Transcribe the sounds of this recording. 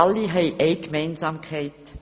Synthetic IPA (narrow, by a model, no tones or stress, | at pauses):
ɑlːiɦɛɪʔɛɪkmɛɪnzaːmkʰɛɪt